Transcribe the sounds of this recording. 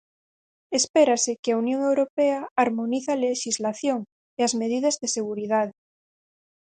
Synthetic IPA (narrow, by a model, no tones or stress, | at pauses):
espeɾasekɪaunjõŋewɾopeaaɾmoniθaleʃizlaθjoŋ | eazmeðiðɐzðeseɣuɾiðaðe